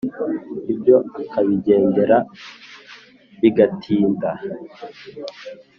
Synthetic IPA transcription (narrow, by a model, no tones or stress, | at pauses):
ibɟo̞akaβiɟe̞ːnde̞ɾa | βiɡatʰiːnda